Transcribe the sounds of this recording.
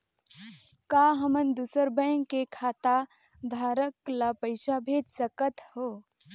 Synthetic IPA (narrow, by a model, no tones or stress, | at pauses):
kaːɦəmənd̪uːsəɾbəjŋkːekʰaːt̪a | d̪ʱaːɾəklapəɪʃabʱeːd͡ʒ̪səkət̪hoː